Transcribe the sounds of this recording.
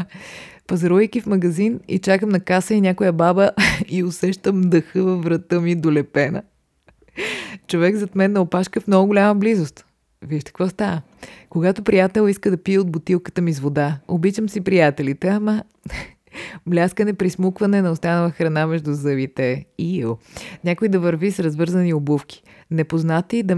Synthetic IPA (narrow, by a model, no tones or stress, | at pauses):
pɐzɐɾuijk̟ʲifmɐɡɐzinḭt͡ʃakəmnɐkasəinʲakojəbabəiosɛʃt̪əmd̪əxəvɐvɾɐt̪əmid̪olɛpɛnə̰ | t͡ʃovɛɡzɐt̪mɛnːɐopaʃkəfmnɔɡʊɡʊlʲaməblizost̪ | vidʃkɐ̥kvost̪avə | koɡat̪opɾijat̪ɛlˠiskəd̪ɐpiɛod̪̚bʊt̪ilˠkə̥t̪əmizvod̪aobit͡ʃəmsipɾijat̪ɛlit̪ɛɐma | mlʲaskənɛpɾismukvɐnɛnɐost̪anəlˠəxɾɐnamɛʒd̪ʊzəvit̪ɛiilˠnʲakoid̪ɐvəɾvisɾɐzvɤɾzəniobufkʲi̥ | nɛpoznat̪id̪ɐ